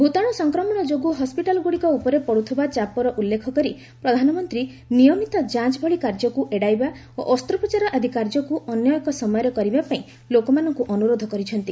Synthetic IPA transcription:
bʱut̪aɽ̃ɔsɔŋkɾɔmɔɽ̃ɔd͡ʒoɡuɦɔspiʈalɔɡuɽikɔupɔɾepɔɽut̪ʰibat͡ʃapɔɾɔʔulːekʰɔkɔɾi | pɾɔd̪ʱanɔmɔnt̪ɾi | nijɔmit̪ɔd͡ʒãt͡ʃbʱɔɭikaɾd͡ʒɔkuʔeɽajba | o̰ʔɔst̪ɾɔpɔt͡ʃaɾɔʔad̪ʱikaɾd͡ʒɔkuʔɔnjɔjɔkɔsɔmɔjɔɾekɔɾibapaĩ | lokɔmanɔŋkuʔɔnuɾod̪ʱɔkɔɾit͡ʃʰɔnt̪i

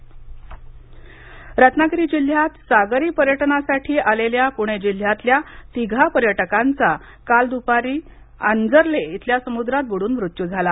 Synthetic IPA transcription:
ɾat̪naɡɾiːd͡ʑil̤jat̪saɡɾiːpəɾjəʈnasaʈʰiːʔaleljapuɽ̃ed͡ʑil̤jat̪ljat̪iɡʱapəɾjəʈəkant͡sa | kald̪upaɾiː | a̰nd͡zəɾleit̪ʰljasəmud̪ɾat̪̚bəɽuːnʋɾut̪jud͡zʱala

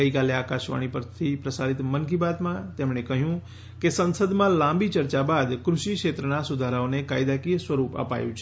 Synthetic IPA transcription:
əikaleakaʃʋa̰ɽ̃ipəɾt̪ʰipɾəsaɾit̪mənkibat̪mãt̪emɳekəɦjũ | kesənsəd̪mãlãmbit͡ʃəɾt͡ʃabad̪kɾuʃikʃet̪ɾənasud̪ʱaɾaonekajd̪akisʋəɾupə̰pa̰jũt͡ʃʰe

